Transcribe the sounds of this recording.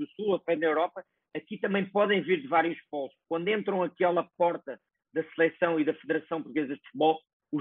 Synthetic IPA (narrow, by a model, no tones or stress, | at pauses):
usulˠopɐ̃nɐewɾɔpɐː | kit̪ɐmɐ̃j̃pɔðɐ̃j̃viɾðɨvaɾjuʃpɔlˠʃkwɐ̃nd̪wẽnt̪ɾɐ̃w̃ɐkɛlˠɐpɔɾt̪ɐ | ðɐsɨlˠɛsɐ̃w̃iðɐfɨðɨɾɐsɐ̃w̃puɾt̪uɣezɐðfu̥t̪̚βɔlˠ | u